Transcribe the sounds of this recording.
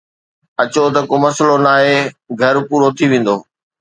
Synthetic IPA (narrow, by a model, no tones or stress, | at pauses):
ɐt͡ɕot̪̬ɐkoːmɐsəlonaːɦeɡʱɐɾpuːɾot̪ʰiʋẽːn̆d̪oː